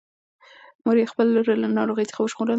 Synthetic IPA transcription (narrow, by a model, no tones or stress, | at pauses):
moɾjexpəlɾlanɑɾoɣəjt͡sə̥xawəʃɣolan